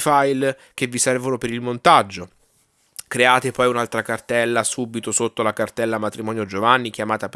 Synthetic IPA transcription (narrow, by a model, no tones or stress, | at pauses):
fajl | k̟evːisɛrvonopeɾilmont̪ad͡ʒːo | kɾeaːt̪epɔjunalt̪ɾakart̪ɛlːasuːbit̪osot̪ːolakart̪ɛlːamat̪ɾimɔːnjod͡ʒovanːik̟jamaːt̪ap